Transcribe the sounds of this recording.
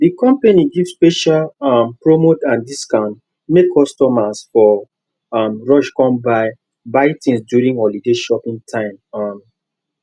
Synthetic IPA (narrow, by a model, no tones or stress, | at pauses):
dikɔ̃mpaniɡivspeʃalɔmpɹomotãndiskãʊ̃nt | mekʰːɔstɔmasfɔ | ɔmɹɔʃkɔ̃mbaɪ | baɪtʰĩnsdjuɹĩŋɔlideʃɔpĩŋtʰãɪ̃mɔm